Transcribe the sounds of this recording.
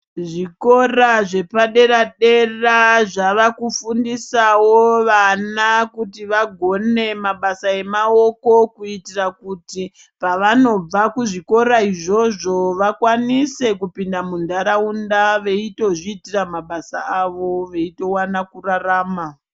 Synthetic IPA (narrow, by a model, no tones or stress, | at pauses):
ʐiko̞raʐe̞paɗe̞ɾaɗe̞raʐaʋakufundisawoʋanakutiʋaɡʱo̞ne̞maɓasae̞mao̞ko̞kuitirakuti | paʋano̞b͡vakuʐiko̞ɾaiʐo̞ʐo̞ʋakwanise̞kupindamundaɾaundaʋe̞ito̞ʐiːtiramaɓasa̰aʋo̞ʋe̞ito̞wanakuraraːma